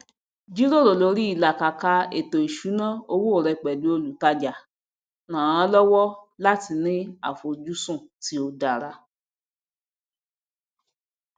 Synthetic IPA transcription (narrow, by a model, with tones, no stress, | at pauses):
d͡ʒi˦ɾo˦˨ɾo˨lo˨˧ɾi˦i˦˨la˨ka˨ka˧ḛ˨to˨i˨ʃu˨˦nãː˦˨o˧wo˦o˦˨ɾɛ˧k͡pɛ˨du˨˦o˦˧lu˨ta˧d͡ʒa˨ | nãː˨ã˧˦lɔ˦wɔ˦la˦ti˧nĩ˦a̰˨fo˧d͡ʒu˦sũ˦˨ti˨˦o˧da˨ɾa˧